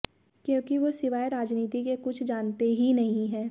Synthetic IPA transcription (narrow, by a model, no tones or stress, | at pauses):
kjõːkiʋosɪʋaːeɾaːd͡ʒniːt̪ikekʊt͡ʃʰd͡ʒaːnt̪eɦinɐɦĩɦɛ̃ː